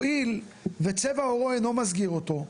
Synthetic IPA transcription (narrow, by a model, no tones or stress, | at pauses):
il | vet͡se̞vaoʁoeno̞mazɡiʁot̪o̞